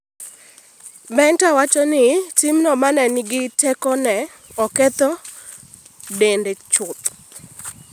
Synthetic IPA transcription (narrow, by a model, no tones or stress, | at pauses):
bɛntawat͡ʃɔnɪtimnɔmanɛnɪɡɪtɛkɔnɛ | ɔkɛt̪ɔ | dendet͡ʃʊt̪